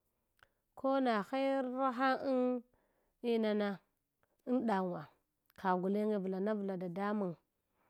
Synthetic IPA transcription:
kʰo˦na˨xa˦ɾɾa˦ɦa˦i˦n | i˦na˨na˦ | i˦nɗa˨ŋwa˨ | kʰa˨ɡu˨le˦ŋɡe˨vu˨la˨na˦vu˨la˨da˨da˦mu˨ŋ

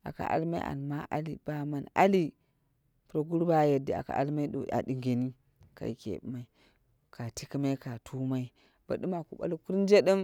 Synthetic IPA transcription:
a̰˨ka̰˨ʔa̰˨˦lma˦ḭ˦ʔa̰˨lma˦ʔa˦li˨b̥a˨ma˨na̰˦li˦ | pɾo˨ɡu˦ɾba˦je˨da˨a̰˨ka̰˨ʔa˦lma˦i˦do̰˨a̰˨di˨ŋɡe˨ni˦ | ka̰˨i˨kḛ˨bma˨i˦ | ka˨ti˦ki˦ma˦i˦ka˨tʰu˦ma˦i˦ | b̥a˨ɗu˦ma˨ku˨ba̰˦lku˦ɾn˦d͡ʒe˦də˦m

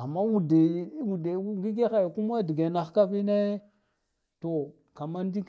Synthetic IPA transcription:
a˨mːa˦wu˨de˨˦wu˨de˨˦ŋɡi˦ɡe˦xa˨jku˦m˦a˦di˨ɡe˨na˨xka˦bi˦ne˦ | to˨ | ka˨ma˦n˦di˦k

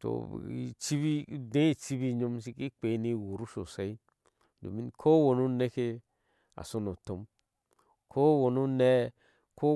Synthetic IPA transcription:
to̰˨ḭ˨t͡ʃi˦bi˦˨dẽ˦i˨t͡si˦bi˦ɲo˧˦ms̬i˦ki˦k͡pe˨˦ni˦˨wo˨ɾu˦so̰˨sa˦i˦ | do̰˨mi˦kʰo˦wo˨nu˦ne˦ke˦ | a̰˨so˦no˨to˦m | kʰo˦wo˨nu˦ne˦ | ko˦

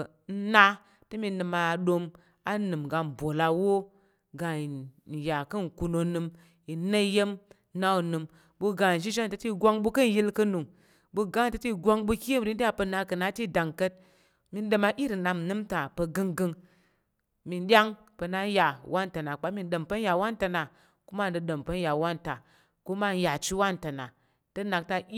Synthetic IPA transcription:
n̩˦na˧ | tɨ˦mi˧nɨ˧ma˧˨ɗo˧m | a˦nɨ˨mɡa˧n˨bo˨la˨wo˦ | ɡa˨ja˨kɨ˦n˨ku˧no˧nɨ˧m | i˨nə˦je˦m˦ | na˦u˨nɨ˨m | bu˧ɡa˨n˨ʒi˦ʒe˦˨tə˦ti˦ɡʷa˦˧ŋɓu˧kɨ˦n˨ji˦lkɨ˧nu˨ŋ | bu˧ɡa˦˨tə˨˦ti˦ɡʷa˧ŋɓu˧ki˦ə˦m˨ɾi˦n˦da˦pə˧na˧kɨ˨na˨˦ti˦da˨ŋkə˦t̚ | mi˧nɗə˧ma˧ʔi˦ɾi˨na˧mnɨ˦mta˨pə˧ɡɨ˧ŋɡɨ˧ŋ | mi˧nɗʲa˦ŋ | pə˧na˦ja˨wa˦nta˨na˨k͡pa˦mi˧n˦ɗə˨mpə˦n˦ja˨wa˦nta˧na˨ | ku˦ma˦˨dɨ˧ɗə˨mpə˦n˦ja˨wa˦nta˨ | ku˦ma˦ja˨t͡ʃi˦wa˦nta˨na˨ | tə˦na˨k̚ta˧i˦

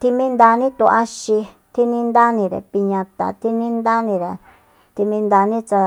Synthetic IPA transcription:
t̪i˧mĩ˦nd̪a˧nĩ˦t̪ṵ̃˧a˧ʃi˧ | t̪i˦nĩ˦nd̪a˦nĩ˧ɾḛ˨pi˧ɲã˧t̪a̰˨t̪i˦nĩ˦nd̪a˦nĩ˧ɾe˨ | t̪i˧mĩ˧nd̪a˧nĩ˦t͡ʃa˧

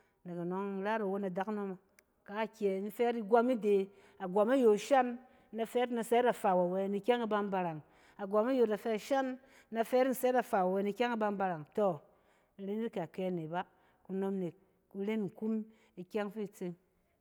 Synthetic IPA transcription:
na˨ka˨no˨ŋ̩˦ɾa˦ɾa˨wo˦na˨da˨kno˧ma˨ | ka˨˦˨kʲe˨˦n̩˦fɛ˦ɾi˧ɡʷa˧mi˦de˨ | a˨ɡʷa˨ma˦jo˨ʃa˦nː˦ | a˧fɛ˦ɾna˧sɛ˦ɾa˨fa˨wa˨we˧ni˨˧˦kʲa˦ŋa˦ba˧m˦ba˧ɾa˨ŋ | a˨ɡʷa˨ma˦jo˨na˨fɛ˧˦ʃa˦nː˦ | a˧fɛ˦ɾn̩˦sɛ˦a˨fa˨a˨we˧˦ni˧kʲa˦ŋa˦ba˧mba˧ɾa˨ŋto˨ | n̩˨˧ɾe˦ni˦ka˨ke˧˨ne˨ba˦ | ku˧no˧mne˨ | ku˧ɾe˦nŋ̩˨ku˦m | i˧kʲa˦ŋfi˦˨t͡se˧ŋ

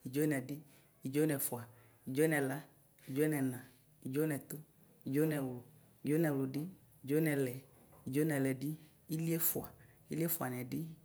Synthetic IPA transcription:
i˨d͡ʒo˦nɛ˨dɪ˦ | i˨d͡ʒo˦nɛ˨fʊ˨a˨ | i˨d͡ʒo˦nɛ˨la˦ | i˨d͡ʒo˦nɛ˨nã˨ | i˨d͡ʒo˦nɛ˨t̪ʊ˦ | i˨d͡ʒo˦nɛ˨wlʊ˨ | i˨d͡ʒo˦nɛ˨wlʊ˨dɪ˦ | i˨d͡ʒo˦nɛ˨lɛ˨ | i˨d͡ʒo˦nɛ˨lɛ˨dɪ˦ | i˦li˦ɛ˦fʊ˨a̰˨i˦li˦ɛ˦fʊ˨a˨nɛ˨dɪ˦

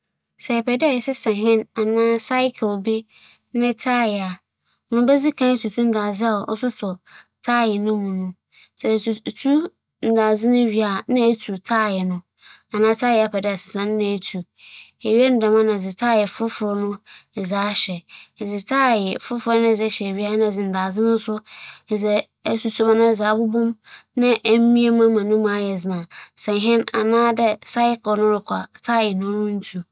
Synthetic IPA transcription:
sɛ˨ɛ˨pʰɛ˨dɪ˦a˨jɛ˨sɪ˦sã˨ɦɪ̃˦na˨nãː˦sa˦ɪ˦kʰɪ˨lbi˦ | nɪ̃˦tʰaː˦˨jɛ˨a˨ | ɔ˨nʊ̃˦bɛ˦zi˦kʰã˦e˦tʰu˨tʰu˦n̩˦daː˨zɪ˦a˨ɔ˨ʔɔ̰˦sʊ˦sʊ˨ | tʰaː˦˨jɛ˨nʊ̃˦mũ˨nʊ̃˦ | sɛ˨tu˨tʰu˦ | n̩˨da˨zɪ˦nʊ̃˦ɥi˨a˨nã˦e˦tʰu˨tʰaː˦˨jɛ˨nʊ̃˦ | a˨nãː˦tʰaː˦˨jɛ˨a˨pʰɛ˨dɪ˦a˨sɪ̥˨sã˦n˦nã˨e˨tʰu˨ | e˨ɥi˦e˦n̩˦dã˨mã˦nã˨d͡zɪ˨tʰaː˦˨jɛ˨fʊ˦fʊ˨˦nʊ̃˦˨zaː˨˦ɕɛ˨zɪ˨tʰaː˦jɛ˨fʊ˦fʊ˨˦ɾnʊ̃˦˨zɛ˦ɕɛ˨ɥi˦a˦˨˦nã˦˨zɪ˨n̩˨da˨zɪ˦nʊ̃˦n̩˦sʊ˦˨zɛ˦ | su˨su˨mã˨nʊ̃˦˨za˨˦bʊ˦bʊ̃˦mnã˦ʔm˦mĩ˦a˦mã˦mã˨nʊ̃˦mã˨˦jɛ˨zɪ˨nã˨sɛ̃˨n˨ɦɪ̃˦na̰˨nãː˦dɛ˦sa˦ɪ˦klɔ˨nʊ̃˦ɾɪ˨kʷʰa˨tʰaː˦˨jɛ˨nʊ̃˦nʊ̃˦n̩˦tʰu˨

